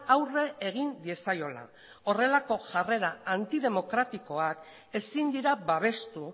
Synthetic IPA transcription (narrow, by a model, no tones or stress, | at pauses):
awre̞eɣ̞ind̪ie̞sajo̞la̰ | o̞re̞lako̞ʝare̞ɾaant̪iðe̞mo̞kɾat̪iko̞ak | e̞sind̪iɾabaβ̞e̞st̪u